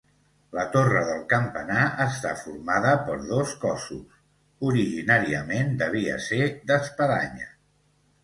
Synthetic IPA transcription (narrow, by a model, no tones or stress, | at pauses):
lət̪orəðəlˠkəmpənaəst̪afuɾmaðəpəɾðoskɔsṵs | uɾiʒinaɾiəmend̪əβ̞iə̰seðəspəða̰ɲə